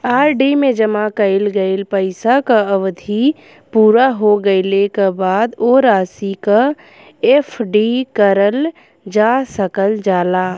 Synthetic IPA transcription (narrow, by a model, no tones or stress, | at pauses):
aːɾɖimẽd͡ʒəmakəɪlɡəɪlpəɪsakaəʋd̪ʱi | puːɾaɦoɡəɪlekabaːd̪oːɾaːsika | eːpʰɖikəɾəl | d͡ʒaːsəkəld͡ʒaːlaː